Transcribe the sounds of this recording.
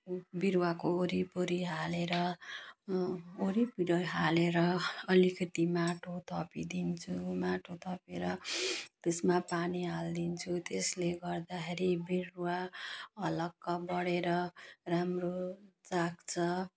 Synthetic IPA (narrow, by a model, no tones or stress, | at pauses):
biɾwakooɾipoɾiɦaleɾʌ | oɾipiɽʌjɦaleɾʌʌlikʌt̪imaʈʰot̪ʰʌpid̪int͡sʰumaʈʰot̪ʰʌpeɾʌt̪esmapaniɦald̪int͡sʰut̪esleɡʌrd̪axʰeɾibiɾwaʌlʌkːʌbʌɽeɾʌramrot͡sakt͡sʰʌ